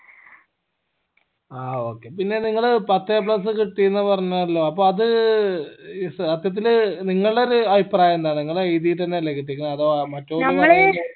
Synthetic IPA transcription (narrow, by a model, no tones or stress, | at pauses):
aːoːkːe̞pinːe̞niŋːɐɭpɐt̪ːep̬ɭɐs̬ɨkiʈːijunːɨpɐrɐɲːɐɐlːoːɐpːo̞ːɐðɨ | sɐt̪jɐt̪̬ːilniŋːɐɭɨɽeɾuɐbipraːjɐend̪aːɳɨniŋːɐɭeejðijilt̪ɐnːeɐlːekiʈ̬ːikʲːunɐɐðomɐtːoːɐnːɐɭ